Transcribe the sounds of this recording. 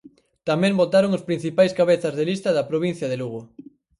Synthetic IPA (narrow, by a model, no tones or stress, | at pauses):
t̪amẽmbot̪aɾoŋospɾin̟θipajskaβeθɐzðelist̪ɐðɐpɾoβin̟θjɐðeluɣ̞o